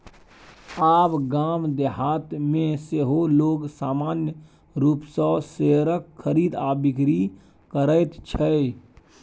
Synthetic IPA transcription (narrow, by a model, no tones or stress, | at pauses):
aːpɡaːmd̪eɦaːt̪mẽseɦoloːɡsaːmaːnjə | ɾuːpsɔːseɾəkxʰəɾiːd̪aːbɪkɾi | kəɾəɪt̪t͡ʃʰə